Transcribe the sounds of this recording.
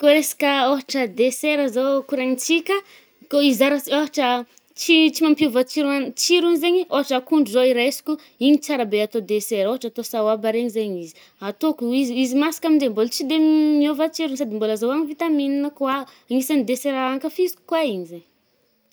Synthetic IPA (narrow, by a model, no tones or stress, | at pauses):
koɾesḁkʲəoɦaʈ͡ʂəd̪eseɾəzokuɾaɲit͡sikə | koizaɾaoɦaʈ͡ʂə | t͡ʃit͡simampiuvat͡ʃiɾant͡siɾunizeɲioɦaʈ͡ʂəkuɳɖ͡ʐuzoiɾesi̥kʲu | iɲit͡saɾabeat̪od̪eseɾoɦaʈ͡ʂat̪osawabaɾeɲizeɲizi̥ | at̪okuiziizimasi̥kamind̪embolt͡sid̪emmiovat͡ʃiɾunsad̪imboləzowaɲivit̪amininəkwa | aŋisanid̪eseɾaaŋkəfisi̥ku̥kwaiɲizeɲ